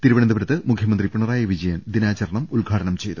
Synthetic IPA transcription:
t̪iɾuʋɐɳɐnd̪ɐbɐɾɐt̪ːɨmukʰjɐmɐnd̪ripuɳɐraːjɐʋid͡ʑɐjɐnd̪inaːt͡ɕɐɾɳɐmulɡʱaːʈɐɳɐmt͡ɕe̞jt̪u

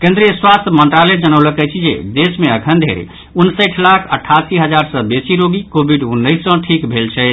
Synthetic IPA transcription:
kẽnd̪ɾiəswast̪ʰjəmənt̪ɾaled͡ʒənəwləkɛt͡ʃʰid͡ʒḛd̪esmeəkʰənd̪ʱḛɾ̰ | unsəʈʰlakʰəʈʰːasiɦəd͡ʒaɾsə̃besiɾoɡikobʱiɖunːəjsːə̃ʈʰikbʱelt͡ʃʰɛ

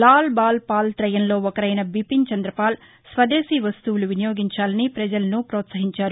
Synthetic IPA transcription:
laːlbaːlpaːlt̪ɾɐjɐnlo̞ːɔkɐɾɐjnɐbipint͡ʃɐnd̪ɾɐpaːl | sʋɐd̪eːsiːʋɐst̪uwuluʋinɐjo̞ːɡiɲt͡ʃaːlɐnipɾɐd͡ʒɐlɐnupɾɔːt̪sɐɦiɲt͡ʃaːɾu

